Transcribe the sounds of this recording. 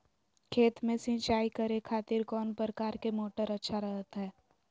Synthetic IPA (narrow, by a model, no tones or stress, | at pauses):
kʰeːt̪mẽsɪ̃t͡ʃaːikəɾekʰaːt̪ɪɾkɔːnpɾɾəkaːɾkemoːʈəɾɐtːʃʰaɾɐɦət̪ɦɛː